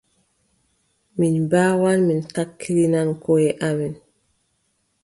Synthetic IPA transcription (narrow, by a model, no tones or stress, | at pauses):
minbaːwanmintakʰːiɾinankɔjɛʔamin